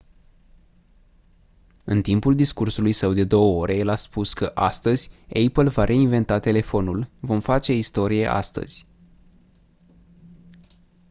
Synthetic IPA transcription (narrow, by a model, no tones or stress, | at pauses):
ɨnt̪impuld̪iskursulujsəwd̪e̞d̪o̞wəo̞ɾʔe̞jelaspuskəʔast̪əzʲejpəlvaɾʔe̞inve̞nt̪at̪e̞le̞fo̞nulvo̞mfat͡ʃe̞ist̪o̞ɾije̞̰ʔa̰st̪ə̰z̥ʲ